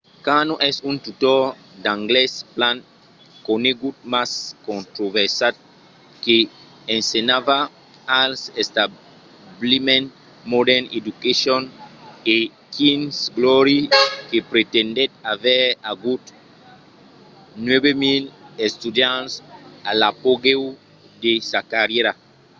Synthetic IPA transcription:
kanoʔɛsũnt̪ut̪oɾ | d̪ãŋɡlɛsplãn | koneɡut̪̚maskõnt̪ɾovɛɾsat̪̚ | ke | ẽnsenava | alsest̪a | blimẽn | modɛned̪ukesjone | kĩnsɡlɔɾikepɾet̪ẽnd̪et̪̚avɛaɡut̪ | nwebemilest̪ud̪jãnsalapoɡew | d̪esakaɾjeɾa

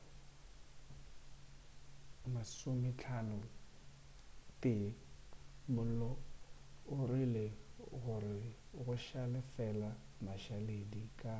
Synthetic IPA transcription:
masʊmɪt͡ɬʰanʊ | pʼɪ | mʊl̩lɔ | ʊrileɣʊrɪ | ɣʊʃalɪfɛla | maʃaledikʼa

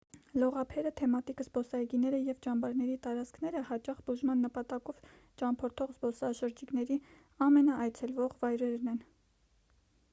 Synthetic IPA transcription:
lɔʁɑpʰɛɾət̪ʰɛmɑt̪ikzbɔsɑɡinɛɾəjɛvt͡ʃɑmbɑɾnɛɾit̪ɑɾɑt͡sʰkʰnɛɾəhɑt͡ʃɑχbuʒmɑnːəpɑt̪ɑkɔv | t͡ʃɑmpʰɔɾt̪ʰɔʁzbɔsɑʃəɾd͡ʒiknɛɾi | ɑmɛnɑʔɑjt͡sʰɛlvɔʁvɑjɾɛɾnɛn

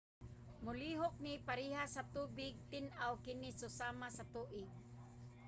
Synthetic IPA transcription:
mʊliɦok̚nipaɾiɦasat̪ubɪɡ̚t̪ɪnʔawkɪnɪsʊsamasat̪uːʔɪɡ̚

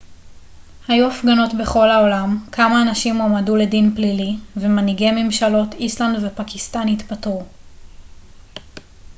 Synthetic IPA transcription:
hajuafɡano̞tbe̞χo̞lhaolamkʰamaːnaʃimomadule̞dinplilivemaniɡeme̞mʃalo̞t̪islandvepakist̪anhit̪patu

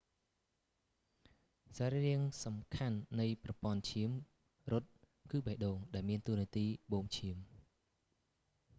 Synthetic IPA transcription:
saɾiriəŋsɑmkʰanːɨjprɑpŏənt͡ɕʰiəm | rʊ̆t̪̚ | kɨːɓəhɗoːŋɗaɛlmiənt̪uəniət̪iːɓoːmt͡ɕʰiəm

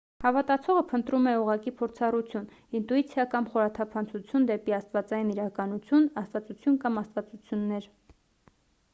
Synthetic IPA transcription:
hɑvɑt̪ɑt͡sʰɔʁəpʰənt̪ɾumɛuʁɑkipʰɔɾt͡sʰɑrut͡sʰjun | int̪uit͡sʰjɑkɑmχɔɾɑt̪ʰɑpʰɑnt͡sʰut͡sʰjund̪ɛpiɑst̪vɑt͡sɑjiniɾɑkɑnut͡sʰjunɑst̪vɑt͡sut͡sʰjunkɑmɑst̪vɑt͡sut͡sʰjunːɛɾ

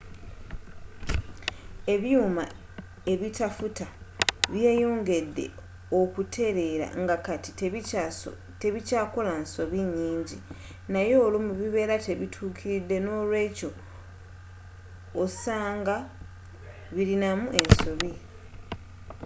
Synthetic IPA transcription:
e̞βjuːma | e̞βitafutaβjeːjoːŋɡe̞dːe̞̰ | okutʰe̞ɾe̞ɾa̰ŋɡakati | te̞βicaːko̞lanso̞βiɲːiːɲɟi | najo̞ːlumuβiβe̞ːɾate̞βitʰuːkʰiɾidːe̞no̞ːlwe̞ːco̞ | saːŋɡa | βiɾinamuʔe̞nso̞βi

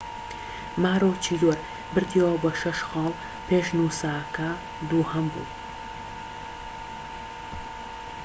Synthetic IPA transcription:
maːɾoːt͡ʃʰiːd̪oːɾ | bɨɾt̪ʰiwɐbɐʃɐʃxɑːlˠ | pʰeːʃnuːsaːkɐ | d̪uːhɐmbṵ

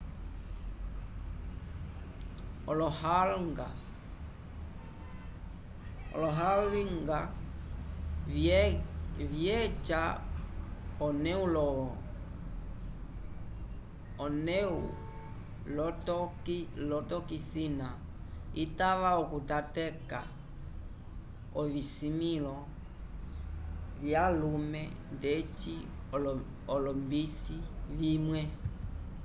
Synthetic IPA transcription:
ɔlɔhalɡa | ɔ̰lɔɦaiŋɡa | vjɛt͡ʃa | ɔnɛulɔ | ɔnɛṵ | lɔtɔklɔtɔkisina | itaʋaɔkutatɛka | ɔvisimilɔ | vjalumɛ | nðɛt͡ʃi | ɔlɔmbisivimwɛ

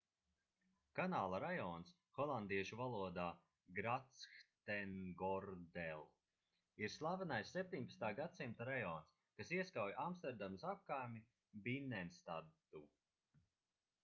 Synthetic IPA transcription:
kanaːlˠaɾajɔːns | xɔlˠand̪iɛʃuvalˠuɔd̪aː | ɡɾat̪sxt̪ɛnɡɔɾd̪ɛlˠ | iɾslˠavanajsːep̚ʲt̪ʲiɲʲpḁst̪aːɡat̪simt̪aɾajɔːns | kasiɛskawjʔamst̪ɛɾd̪amsap̚kaːjmi | binɛnst̪ad̪ | u

